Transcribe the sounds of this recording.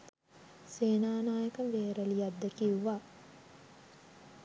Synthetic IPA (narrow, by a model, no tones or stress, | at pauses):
seːnaːnaːjəkəmʋeːɾəlijad̪ːekiuʋa